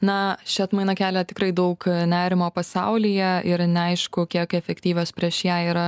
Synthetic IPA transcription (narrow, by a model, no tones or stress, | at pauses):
nɐʃʲɪɐt̪mɐɪnɐkʲæːlʲɛt̪ʲɪkɾɐɪd̪ɐʊknʲæːɾʲɪmoːpɐsɐʊlʲiːjɛʔɪɾnʲɛɐɪʃkʊkʲiɛkɛfʲɛkt̪ʲiːʋʲoːspʲɾʲiɛʃjæːiːɾɐ